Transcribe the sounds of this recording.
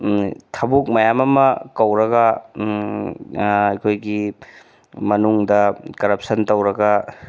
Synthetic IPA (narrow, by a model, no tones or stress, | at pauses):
tʰɐbuk̚mɐjamɐmɐkɐwɾɐɡɐ | jkʰojɡi | mɐnuŋdɐkɐɾɐp̚sɐntɐwɾɐɡɐ